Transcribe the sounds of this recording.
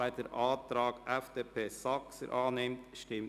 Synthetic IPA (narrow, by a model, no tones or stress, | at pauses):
æɪtəɾʔɑːt̪ɾɑːɡ̥æfd̥eːpʰeːsɑksə̰ɾʔɑːnɪmtʃtɪm